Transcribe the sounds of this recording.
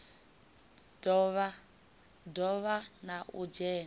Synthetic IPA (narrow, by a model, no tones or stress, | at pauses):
dɔβa | dɔβanaʔṵd͡ʒɛːn